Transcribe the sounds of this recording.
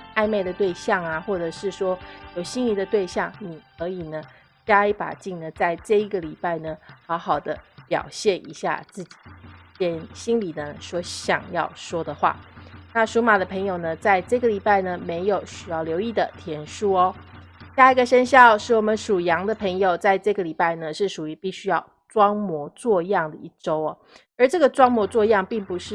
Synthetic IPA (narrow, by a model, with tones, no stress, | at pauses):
a˥˧ɪme˥˩ɪd̪ə˩t̪we˥˧ɪɕjɑ˥˩ŋa˩xwɔ˥˩ʈ͡ʂɤ˨˩ʂɻ̩˥˩ʂwɔ˥jo˨˩ʊɕi˥nli˨˩d̪ə˩˦t̪we˥˧ɪɕjɑ˥˩ŋni˨˩kʰɤ˧˥i˨˩nə˩ | t͡ɕja˥i˧˥pa̰˨˩t͡ɕi˥˩ŋnə˩t͡sa˥˧ɪʈ͡ʂɤ˥˩i˧˥ɡə˨li˨˩pa˥˩ɪnə˩xɑ˧˥ʊxɑ˨˩ʊd̪ə˦pjɑ̰˨˩ʊɕjɛ˥˩nʔḭ˧˥ɕja̰˥˧t͡sɹ̩˥˩t͡ɕi̥˨˩t͡ɕɛ˥˩nɕi˥nli˨˩nə˦swɔ˧˥ɕjɑ̰˨˩ŋjɑ̰˥˩ʊʂwɔ˥d̪ə˨xwa̰˥˩na˥˨ʂu˧˥ma˨˩d̪ə˦pʰə˧˥ŋjo˨˩ʊnə˩t͡sa˥˧ɪʈ͡ʂɤ˥˩ɡə˩li˨˩pa˥˩ɪnə˩me˧˥ɪjo˨˩ʊɕy˨˩jɑ˥˩ʊljo˧˥ʊi˥˩d̪ə˩t̪ʰjɛ˧˥nʂu˥ɔ˨˩ | ɕja˥˧i˧˥ɡə˨ʂə˥nɕjɑ˥˧ʊʂɻ̩˥˩wɔ˨˩mə˦nʂu˨˩jɑ˧˥ŋd̪ə˨pʰə˧˥ŋjo˨˩ʊt͡sa˥˧ɪʈ͡ʂɤ˥˩ɡə˩li˨˩pa˥˩ɪnə˩ʂɻ̩˥˩ʂu˨˩y˧˥pi˥˩ɕy˥jɑ˥˩ʊ | ʈ͡ʂwɑ˥ŋmwɔ˧˥t͡swɔ˥˧jɑ˥˩ŋd̪ə˩i˥˩ʈ͡ʂo˥ʊɔ˨˩ | ə˞˧˥ʈ͡ʂɤ˥˩ɡə˩t͡swɑ˥ŋmwɔ˧˥t͡swɔ˥˧jɑ˥˧ŋpi˥˩ŋpu˨˧˦ʂɻ̩˥˩